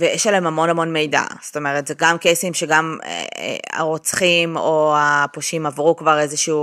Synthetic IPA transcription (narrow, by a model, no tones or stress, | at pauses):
vejɛʃalemhamo̞nhamo̞nme̞jda̰zt̪o̞me̞ʁetzeɡamkesimʃe̞ɡamḛa̰ʁot͡sχimoapoʃimavʁukvaʁe̞zeʃuu